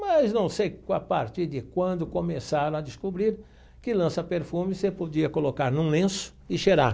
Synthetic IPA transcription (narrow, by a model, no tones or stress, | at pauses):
mɐznɐ̃w̃sejkapaɾt͡ʃ̪iɾd̪ɪkwɐ̃nd̪ʊkomesaɾɐ̃w̃ɐd̪ɪskubɾiɾ | kɪlɐ̃sɐpeɾfũmɪsepod͡ʒiɐkolokaɾnũlẽsʊ̥ɪʃeɾaɾ